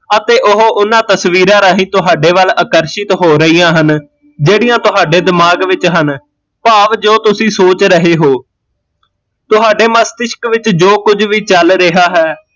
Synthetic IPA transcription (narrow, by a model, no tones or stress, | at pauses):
ət̪eːʔʊɦoʔʊnãːt̪əsʋiːɾãːɾaːɦĩːt̪ʊɦaːɖeːʋələkəɾʃɪt̪ɦoːɾəiːãːɦən | d͡ʒeːɽiːjãːt̪ʊɦaːɖeːd̪ɪmaːɡʋɪt͡ʃɦən | paːʋd͡ʒoːt̪ʊsĩːsoːt͡ʃɾəɦeːɦoː | t̪ʊɦaːɖeːməst̪ɪʃkʋɪt͡ʃd͡ʒoːkʊd͡ʒʋiːt͡ʃəlɾɪɦaːɦɛː